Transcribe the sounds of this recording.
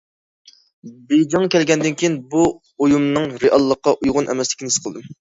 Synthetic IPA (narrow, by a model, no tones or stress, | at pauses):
bed͡ʒɑŋkʲɛlɡʲɛnd̪ɪnkʲʰijinbu | ojumnɨŋɾeʔɑlˠːəqːɑʔujʁʊnʔɛ̰mɛslɪ̥kʲnɪsqʰəlˠɨd̪ɨm